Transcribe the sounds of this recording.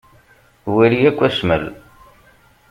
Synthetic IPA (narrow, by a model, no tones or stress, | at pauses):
wiliækʷːæsmə̰l